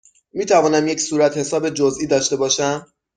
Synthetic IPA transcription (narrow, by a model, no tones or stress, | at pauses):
miːt̪ʰævɒːnæmjecsuːɾæt̪he̞sɒːbe̞d͡ʒozʔiːd̪ɒːʃt̪e̞bɒːʃæm